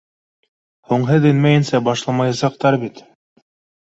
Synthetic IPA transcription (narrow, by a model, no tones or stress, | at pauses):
huɴɦɤðɘ̆nmæjɘ̆nsæbɑʃlˠɑmɑjɑsɑq̚t̪ɑɾbit̪